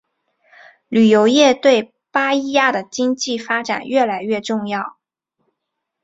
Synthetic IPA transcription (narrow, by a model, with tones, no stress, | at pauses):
ly˨˩jo˧˥ʊjɛ˥˧t̪we˥˩ɪ | pa˥i˥ja˥d̪ə˨t͡ɕi˥ŋt͡ɕi˥˩fa˥ʈ͡ʂa̰˨˩˦nɥɛ˥˩la˧˥ɪɥɛ˥˧ʈ͡ʂʊ˥˧ŋjɑ˥˩ʊ